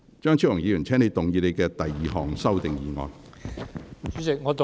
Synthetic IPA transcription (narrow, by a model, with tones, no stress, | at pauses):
t͡ʃœː˥ŋt͡ʃʰi˥wʊ˨˩ŋjiː˨˧jyː˨˩nt͡sʰɛː˥ŋne˧jt̪ʊ˨ŋjiː˧le˨˧jkɛː˧t̪ɐ˨jːiː˨ɦɔː˨ŋsɐ˥wt̪ɪ˨ŋjiː˨ŋɔ̰ː˧n | y˨˥sɪ˨ŋɔː˨˧t̪